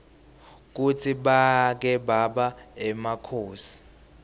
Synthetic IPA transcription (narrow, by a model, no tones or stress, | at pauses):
k̬ut͡sʰiɓak̬ɛɓaɓaɛmakʰoːsi̥